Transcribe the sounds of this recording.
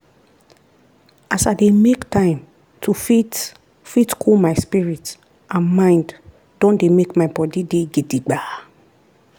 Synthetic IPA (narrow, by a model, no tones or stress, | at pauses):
ʔasademektãɪ̃m | tʰufi | fitkʰulmaɪspiɹit | ʔãnmãɪ̃nd | dɔ̃ndemekmaɪbɔdideɡediɡ͡ba